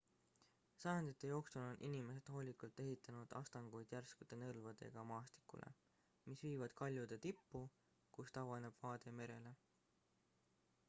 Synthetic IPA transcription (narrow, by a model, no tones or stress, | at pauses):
sɑjɑnd̪̥it̪ːˑe̞jo̞ːksulo̞nʔinime̞se̞d̪̥ɦo̞ːlʲikult̪ːˑe̞ɦit̪ːˑɑnud̪̥ɑ̰st̪ɑŋɡ̥ujd̪̥jærskud̪e̞nɤlvɑd̪̥e̞̰ɡ̥ɑmɑːst̪i̥kːˑṵlʔḛ | misviːvɑd̪̥kɑlʲjud̪̥et̪ipːu | kust̪ɑwvɑne̞b̥vɑːd̪̥e̞me̞ɾe̞le̞